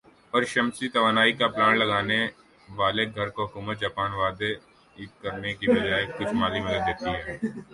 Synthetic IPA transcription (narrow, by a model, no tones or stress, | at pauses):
ɔːɾʃɐmsit̪ɐʋaːnaːikaplaːnlɐɡaːne | ʋaːleɡʱɐɾkoɦʊkuːmət̪̚d͡ʒaːpaːnʋaːd̪e | kɐɾnekibɐd͡ʒaːekʊt͡ʃʰmaːlimɐd̪əd̪ːeːt̪iɦɛː